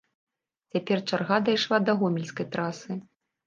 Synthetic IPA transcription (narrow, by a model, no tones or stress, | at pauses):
t͡sʲapʲɛrt͡ʂarɣad̪ɐjʂlˠad̪ɐɣɔmʲɪlʲskɐjt̪ɾasɨ